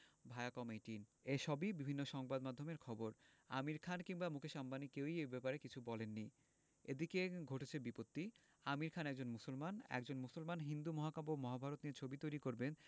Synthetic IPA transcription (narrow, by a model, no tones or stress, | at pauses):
bʱaeakɔmeʈineʃɔbibibʱinːoʃɔŋbad̪mad̪ʱomeɾkʰɔboɾ | a̰miɾkʰankiŋbamukʰeʃambanikewiebɛpaɾekit͡ɕʰubɔlenːi | ed̪ikeɡʱoʈet͡ɕʰebipot̪ːi | amiɾkʰanɛk̚d͡ʑonmusolmanɛ̰kd͡ʑonmusolmanɦind̪umɔɦakabomɔɦabʱaɾot̪nieɾt͡ɕʰobit̪ojɾikoɾben